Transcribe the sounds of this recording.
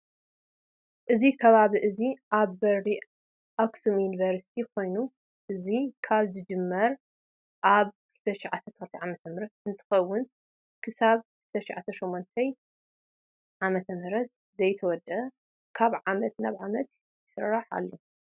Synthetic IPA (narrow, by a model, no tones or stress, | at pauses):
ʔɨzikʰɐβaβiʔɨziʔaβːɐɾɾi | ʔaksumjunivɐɾsi̥t̪ʰikʰo̞jnu | ʔɨzikʰaβzɨd͡ʒɨmːɐɾ | ʔaβkʰɨlt̪ʰɐʃɪʕasɐɾt̪ʰɐxɨlt̪ʰʕamɐt̪ʰɐmɨɾɐt̪ɨnt̪ʰɨ̥xɐwːʊn | kʰɨsaβkʰɨlt̪ʰɐʃɪʕt̪ʰɐʃomːont̪ʰɐj | ʕamɐt̪ʰɐmɨɾɐt̪ | zɐjt̪ʰɐwɔd̪ɐ | kʰaβʕamɐt̪naβʕamɐt̪ | jɪsɨrːaħa̰lːo